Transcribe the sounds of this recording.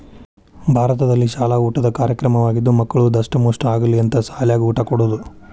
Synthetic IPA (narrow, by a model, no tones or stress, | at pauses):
bʱaːɾɐt̪ɐd̪ɐlːiʃaːlauːʈɐd̪ɐkaːɾjɐkɾɐmɐʋaːɡid̪ːumɐkːɐɭud̪ɐʂʈɐmoːʂʈɐaːɡɐliɐnt̪ɐsaːljaːɡiuːʈakoɽud̪u